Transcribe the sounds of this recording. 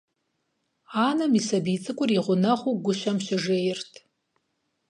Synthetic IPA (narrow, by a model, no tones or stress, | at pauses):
aːnɐmisɐbit͡sʼɨkʷʼʊriʁʷʊnɐχʷuɡʷʊɕɐmɕɪʐeːjɪrtʰ